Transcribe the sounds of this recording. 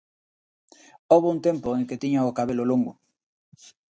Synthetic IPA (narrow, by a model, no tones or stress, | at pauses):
oβount̪ẽmpoeŋket̪iɲaokaβeloloŋɡo